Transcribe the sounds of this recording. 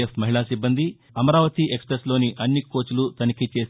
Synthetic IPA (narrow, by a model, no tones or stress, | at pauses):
epmɐɦiɭaːsibːɐnd̪i | ɐmɐɾaːʋɐt̪iʔe̞kspɾeslo̞ːniʔɐnːikːo̞ːt͡ʃulut̪ɐnikit͡ʃe̞ːs